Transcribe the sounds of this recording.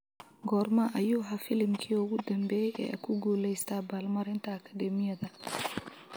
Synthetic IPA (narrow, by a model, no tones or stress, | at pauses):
ɡɔːrmɐʔɐjuːɦɐfɪlɪmkʰiːʊɣʊd̪ɐmbɛːjɛ̰ːɐ̰kʰʊɡuːlɛjst̪ʰaːbaːlmɐɾɪnt̪ʰɐːkʰɐd̪ɛmɪjɐðɐ